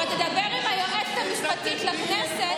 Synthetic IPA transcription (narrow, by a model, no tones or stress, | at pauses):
at̪ed̪ɐbeʁimhajoʔet̪e̥t̪hamiʃpat̪it̪lakneset